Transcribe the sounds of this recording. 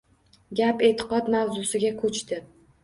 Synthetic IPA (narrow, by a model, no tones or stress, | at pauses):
ɡʲape̞t̪ʰɪ̥qɒd̪mawzʊsɪɡʲakʰɵt͡ʃt̪ɪ